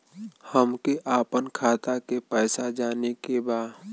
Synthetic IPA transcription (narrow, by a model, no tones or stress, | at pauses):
həmkeʔaːpənkʰaːt̪akepɛːsad͡ʒaːnekebaː